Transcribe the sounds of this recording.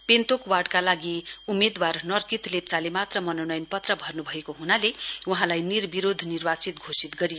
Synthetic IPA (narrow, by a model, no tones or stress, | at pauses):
pent̪okwaɖkalaɡiumed̪warnʌrkit̪lep̚t͡salemat̪rʌmʌnonʌjnpʌt̪rʌbʱʌrnubʱʌekoɦunaleuɦãlajnirbiɾod̪ʱnirbat͡sit̪ɡʱosit̪ɡʌɾijo